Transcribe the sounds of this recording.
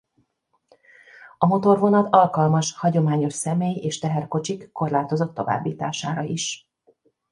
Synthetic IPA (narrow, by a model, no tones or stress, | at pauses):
ɒmo̞t̪o̞rvo̞nɒt̪ɒlkɒlmɒʃhɒɟo̞maːɲo̞ʃsɛmeːjeːʃt̪ɛɦɛrko̞t͡ʃikːo̞rlaːt̪o̞zo̞t̪ːo̞̰va̰ːbːiːt̪aːʃaːɾɒiʃ